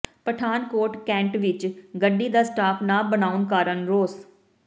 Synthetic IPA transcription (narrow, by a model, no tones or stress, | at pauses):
pəʈʰaːnkoːɾʈkɛ̃ːɳʈʋɪt͡ʃɡəɖiːd̪aːsʈaːpʰnãːbənaːʊnkaːɾənɾoːs